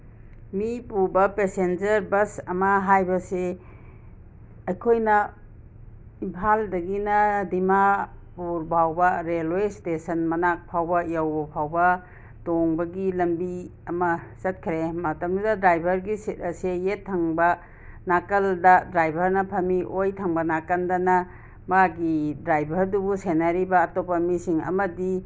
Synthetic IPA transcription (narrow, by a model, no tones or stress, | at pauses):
mipuɾbɐpesend͡ʒɐɾbɐsɐmɐɦajbɐse | ɐjkʰojnɐ | impʰaldɐɡinɐdimapuɾbʱawbɐɾelwestesɐnmɐnak̚pʰawbɐjawbɐpʰawbɐ | toŋbɐɡilɐmbiɐmɐsɐt̚kʰɾemɐtɐmdudɐdɾajbʱɐɾɡisit̚ɐsejetʰːaŋbɐ | nakɐldɐdɾajbʱɐɾnɐpʰɐmiʔojtʰaŋbɐnakɐndɐnɐ | maɡidɾajbʱɐɾdubusenaɾibɐːtopɐmisiŋɐ̰mɐdi